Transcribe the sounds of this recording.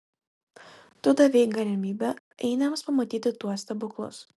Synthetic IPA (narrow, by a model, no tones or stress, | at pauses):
t̪ʊd̪ɐʋʲɛɪkɡɐlʲɪmʲiːbʲɛ | ɛɪnʲɐmspɐmɐt̪ʲiːt̪ʲɪt̪uɔsʲt̪ʲɐbʊklˠʊ̰s